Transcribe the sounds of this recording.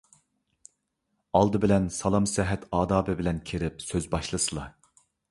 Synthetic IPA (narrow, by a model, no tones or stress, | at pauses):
ɑlˠd̪ɨbɪlɛnsɑlˠɑmsɛɦɛt̪ʰɑːd̪ɑːbɨbɪlɛnkʲʰeɾɪp̚søzbɑʃlˠɨsɨlˠɑ